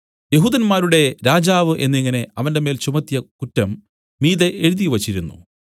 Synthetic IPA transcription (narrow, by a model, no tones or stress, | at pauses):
je̞ɦuːðɐnmaːɾuɽe̞ɾaːd͡ʑaːʋɨʔe̞̰nːiŋːɐne̞ɐʋɐnde̞me̞ːlt͡ɕumɐt̪ːijɐkutːɐmː | iːðeʔeɻuðijʋɐt͡ɕːiɾunːṵ